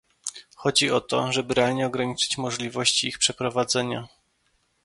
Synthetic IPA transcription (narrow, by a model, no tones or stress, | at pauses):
xɔd͡ʑiɔt̪ɔ̰ʐɛbɘɾɛalɲɛɔɡɾaɲit͡ʂɘ̥t͡ɕmɔʐlʲivɔɕt͡ɕiixpʂɛpɾɔvad̪zɛɲa